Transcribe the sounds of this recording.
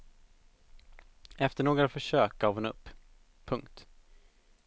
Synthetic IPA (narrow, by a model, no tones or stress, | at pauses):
ɛft̪əɳoːɡɾafœʂøːkaːvɛnɵpːʰ | ɵŋkt̪